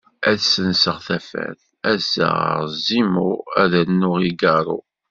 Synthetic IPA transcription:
æðsənsəʁθæfæ̰ð | æzːə̰zimuæðænːʊʁiɡɑɾˤṵ

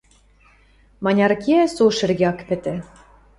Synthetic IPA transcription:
mɑnʲɑɾkʲiæsuʃɘ̆rɡʲeɑkpɘ̆t̪ɘ̆

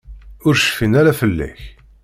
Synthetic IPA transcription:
ʊɾʃə̥finæɾæfəlːæ̰ç

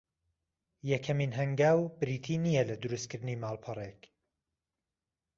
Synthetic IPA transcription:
jɛkʰɐmiːnɦɐŋɡaːwbɾit̪ʰiːnijɛlɐd̪ʊɾust̪̚kʰɨɾd̪ɨniːmaːlˠpʰɨrˤek

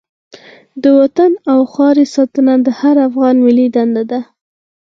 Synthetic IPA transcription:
d̪əwat̪anawxɑɾesɑt̪ənad̪əhaɾafɣɑnmɪlid̪and̪ad̪a

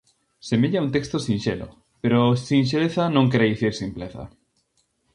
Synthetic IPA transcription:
semeʎaũnt̪ekst̪osĩnʃelo̰ | peɾosĩnʃ̬eleθanõŋkeɾajθiɾsimpleθa̰

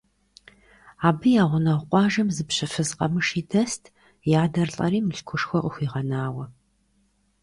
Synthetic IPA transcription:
aːbɨjaːʁʷʊnɐʁʷqʷʼɑːʒɐmzɨpɕɐfɨzqʼɐmɨʂiːdɐstʰ | jaːdɐrɬʼɐ̰ɾiːmɨɬkʷʰʊʂxʷɔqəxʷiːʁɐnaːwɐ

